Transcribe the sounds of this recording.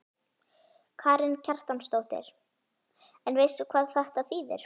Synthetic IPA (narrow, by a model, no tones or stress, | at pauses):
kʰaːɾɪncʰar̥t̪anst̪owt̪ɪ̰ɾ̥ | ɛnvejst̪ʏkʰvaːðθɛht̪aθiːðɪ̰ɾ̥